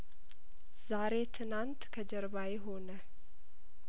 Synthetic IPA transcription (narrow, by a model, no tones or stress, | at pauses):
z̥aɾe̞t̪ʰɨnant̪kʰəd͡ʒɛɾβajɪɦo̞nə